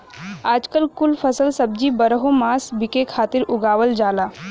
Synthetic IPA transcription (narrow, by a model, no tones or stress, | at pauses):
aːd͡ʒkəlkʊlpʰɐsəlsɐb̚d͡ʒibɐɾɦomaːsbɪkekʰaːt̪ɪɾʊɡaːʋəld͡ʒaːlaː